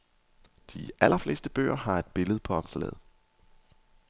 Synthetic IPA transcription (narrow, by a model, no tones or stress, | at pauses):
d̥iʔælʔɐfle̝ːsd̥əb̥ø̰ːɐɦɑ̈e̝d̥̚b̥e̝ləð̩ˠpʰɒ̽ɒ̽msəlɛ̰ð̩̰ˠ